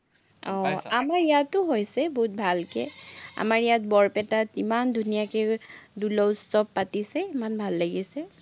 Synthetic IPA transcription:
ɔamaɹijatʊɦojsɛboɦut̚bʱalkɛ̰a̰maɹijat̚bɔɹpɛtatimandʱunijakɛdulɔwstɔpːatisɛimanbʱalːaɡisɛ

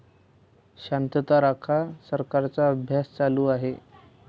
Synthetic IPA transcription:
ɕant̪ət̪aɾakʰasəɾkaɾt͡saəbʱjast͡saluːaɦe

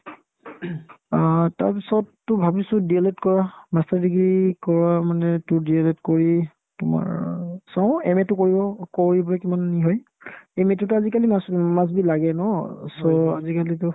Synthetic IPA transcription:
ta̰ɹpisɔtːʊbʱabisʊdieletkɔɹamastaɹdiɡɹikɔɹamanɛtʊdieletkoɹi | tʊma̰ɹsãʊ̃ɛmɛtʊkoɹibɔkoɹibɔlɔkimanːiɦɔj | ɛmɛtutuazikaliasmas̬bilaɡɛnɔsɔa̰zikalitʊ

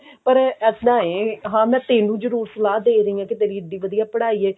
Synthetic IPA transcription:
pəɾɛːsd̪ãːeːɦãːmɛ̃ːt̪eːnũːd͡ʒəɾuːɾsəlaːd̪eːɾəĩːãːkɪt̪eːɾiːɪɖiːʋəd̪ijaːpəɽaːiːɛː

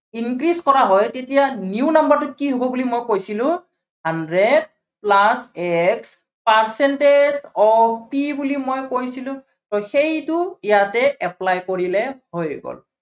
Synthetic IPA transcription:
inkɹiskɔɹaɦɔjtetijaniunambaɹtʊkiɦobɔbulimojkojsilʊ̃ | handɹed | plasɛks | paɹsɛntezɔpibulimojkojsilʊ̃ | tɔxejtʊijatɛɛplajkoɹilɛhojɡɔ̰l

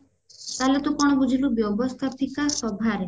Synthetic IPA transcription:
t̪alet̪ukɔɽ̃ɔbud͡ʒʱilubjɔbɔst̪ʰapikasɔbʱaɾe

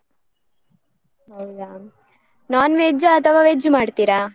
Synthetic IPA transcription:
ɦɐwja | naːnʋeːd͡ʒɐt̪ʰɐʋaʋeːd͡ʒmaːɖt̪iɾa

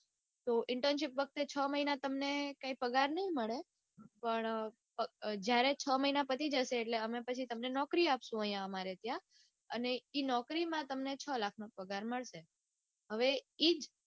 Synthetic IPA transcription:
t̪oʔɪɳʈəɾnʃipʋək̚t̪et͡ʃʰəməinat̪əmnekãĩpəɡaɾnəɦĩməɭe | pəɳ | pəd͡ʒjaɾet͡ʃʰəməɦinapət̪ʰid͡ʒəʃeːʈleəmepət͡ʃʰit̪əmnenɔkɾiapʃũəɦijãəmaɾet̪jã | əneinɔkɾimãt̪əmnet͡ʃʰəlakʰnapəɡaɾməɭʃe | ɦəʋeid͡ʒ

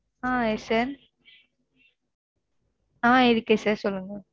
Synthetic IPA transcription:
ãːesaːɾ | ãːɪɾɯkːesaːɾsɔlːɯŋɡɐ

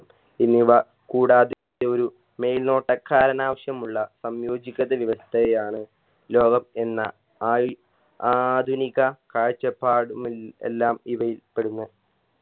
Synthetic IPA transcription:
inːiʋɐ | kuːɽaːd̪itːeo̞ɾu | me̞jlno̞ːʈːɐkʰːaːɾɐnaːʋɐɕjɐmuɭːɐsɐmjo̞ːd͡ʑikʲːɐðɐʋiʋɐst̪ʰɐjɐjaːɳɨ | lo̞ːɡɐme̞nːɐ̰ | aːj | ad̪ʱunikɐkaːɻt͡ɕːɐpːaːɽumilḛlːaːmiʋɐjilpe̞ɽunːɐ

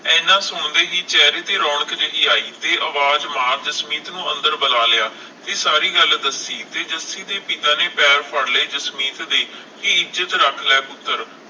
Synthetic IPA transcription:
ɛ̃ːnãːsʊɳd̪eːɦiːt͡ʃɛːɾeːt̪eːɾɔːɳəkd͡ʒəʔɪːaːiːt̪eːʔəʋaːd͡ʒmaːd͡ʒəsmiːt̪nũːə̃nd̪əɾbəlaːlɪjaː | t̪eːsaːɾiːɡəld̪əsiːt̪eːd͡ʒəsiːt̪eːpɪt̪ãːneːpɛːɾpʰəɽleːd͡ʒəsmiːt̪d̪eː | kɪɪd͡ʒət̪ɾəkʰlɛːkʊt̪ːəɾ

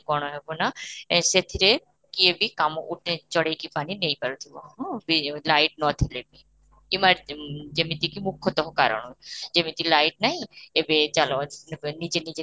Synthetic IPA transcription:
ɡɔɳ̃oɦebonaset̪ʰiɾe | kiebikamoʔuʈet͡ʃɔɽejkipaninejpaɾut̪ʰibo̰ɦɔ̃bilajʈ̚nɔt̪ʰilebi | imaɾd͡ʑemit̪ikimukʰːot̪ɔɦoka̰ɾo̰nod͡ʑemit̪ilajʈ̚najebed͡ʒalonid͡ʑenid͡ʑe

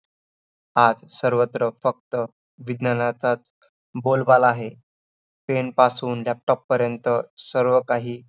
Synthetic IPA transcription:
ad͡zsəɾʋət̪ɾəfək̚t̪ə | ʋid̪nənat͡sat͡s | bolbalaɦe | penpasuːnlap̚ʈɔpːəɾjənt̪əsəɾʋəkaɦiː

